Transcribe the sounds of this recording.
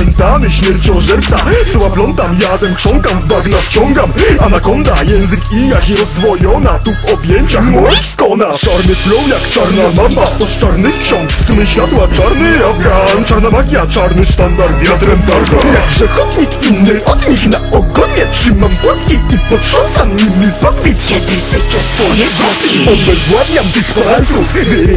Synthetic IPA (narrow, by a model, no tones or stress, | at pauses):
jɛnt̪amɘɕmʲjɛɾt͡ɕɔ̃ʐɛɾp̪sakt̪ɔwaplɔnt̪amjad̪ɛmkʂɔŋkamvb̪aɡnaft͡ɕɔŋɡamanakɔnd̪ajɛ̃w̃zɘkijaɕɲɛɾɔzd̪vɔjɔnat̪uvɔbʲjɛɲt͡ɕaxmɔwɛskɔnat͡ʂaɾnɘplɔwjakt͡ʂaɾnamamat̪ɔst͡ʂaɾnɘkɕɔ̃ŋkst̪mɘɕfʲat̪waʈ͡ʂaɾnɘɔaʈ͡ʂaɾnɔmakʲjat͡ʂaɾnɘʂt̪and̪aɾmʲjɔd̪ɾɛmd̪ɔɾɡ̪ɔjaɡʐɛxɔt̪ɲikinnːɪʔɔd̪ɲiknaɔɡɔɛtʂɨmampwɔskʲixipɔtʂɔnsanimːʲipat̪pʲit̪ɔist̪ɛt͡ʂɔspɔɲɛɡɔt̪iɔnbɛzɡwavɲamt̪ixpɔɛt̪ɾufvʲ